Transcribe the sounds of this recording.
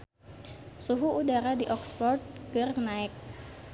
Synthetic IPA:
suɦuudaɾadiʔɔkspɔrt̪̚kɨrnaɪk̚

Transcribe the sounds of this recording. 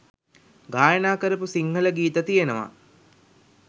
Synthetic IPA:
ɡaːjənaːkəɾəpusiŋɦələɡiːt̪ət̪ijenəʋa̰

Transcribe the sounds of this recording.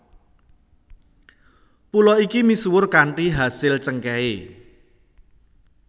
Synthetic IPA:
pulɔikimisuwʊrkaɳʈiɦasɪlt͡ʃəŋkɛe

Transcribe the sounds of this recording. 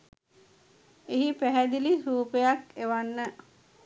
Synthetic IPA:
eɦipæɦæd̪iliɾuːpejakeʋanːə

